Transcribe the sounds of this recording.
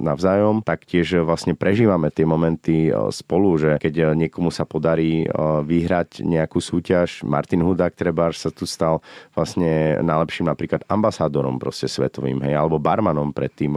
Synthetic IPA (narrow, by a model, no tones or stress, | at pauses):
naʊzaːjɔmt̪akcɪɛʒʋlasɲɛpɾɛʒiːʋamɛt̪ɪɛmɔmɛnt̪ispɔluʒɛkɛɟɲɪɛkɔmusapɔd̪aɾiːʋiɦɾaɟɲɛakuːsuːcaʃma̰ɾt̪inɦud̪aːk̚t̪ɾɛbaɾʃsat̪ust̪alʋlasɲɛnajlɛpʃiːmnapɾiːklad̪ambasaːd̪ɔɾɔ̰mpɾɔ̰scɛsʋɛ̰t̪ɔʋḭːmɦɛjalɛbɔbaɾmanɔmpɾɛt̪ːiːm